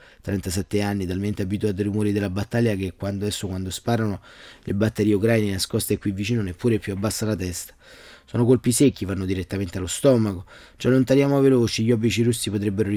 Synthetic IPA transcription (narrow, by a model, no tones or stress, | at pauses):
t̪ɾɛnt̪asɛt̪ːeanːit̪alment̪eabit̪uat̪̬iɾumoːɾid̪elːabat̪ːaljakekːwand̪ɛsːokwand̪ospaːɾanolʔebat̪ːeɾiːeukɾajnenaskɔst̪ekːwivːit͡ʃiːnonepːuːɾepjuabːasːalat̪ɛst̪ḁsoːnokolpisekːivanːod̪iɾet̪ːament̪ealːost̪ɔmako | t͡ʃalːont̪aɾjaːmoaveloːt͡ʃiʎːɔbːit͡ʃiɾusːipot̪ɾɛbːeɾoɾi